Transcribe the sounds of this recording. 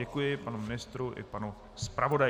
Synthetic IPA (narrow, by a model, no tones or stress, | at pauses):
ɛkujɪpanumɪnɪst̪ɾuʔɪ̰panu | spɾavo̞da